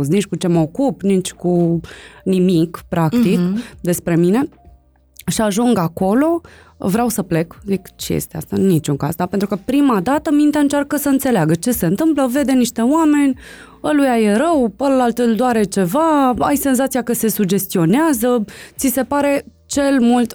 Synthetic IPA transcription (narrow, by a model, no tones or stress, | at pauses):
znit͡ʃkut͡ʃe̞məokupnit͡ʃʲku | nimikpɾakt̪ikd̪e̞spɾe̞mine̞ | ʃiaʒuŋɡako̞lo̞ | vɾeawsəple̞kzikt͡ʃejḛst̪ea̰st̪anit͡ʃuŋka̰zd̪ape̞nt̪ɾukəpɾimad̪at̪əmint̪eaɨnt͡ʃarkəsəɨnt̪se̞leaɡət͡ʃe̞se̞ɨnt̪ɨmpləve̞d̪e̞niʃt̪e̞wame̞nʲ | əlujaje̞ɾəwəllalt̪ɨld̪oaɾe̞t͡ʃe̞vaajse̞nzat̪sijakəse̞suɡd͡ʒe̞st̪io̞neazət̪sise̞paɾe̞ | t͡ʃe̞lmult̪